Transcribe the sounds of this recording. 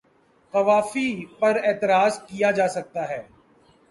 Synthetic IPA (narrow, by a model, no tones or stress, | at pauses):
qɐʋaːfipɐɾɛːt̪ɪɾaːzkijad͡ʒaːsɐk̚t̪aɦɛː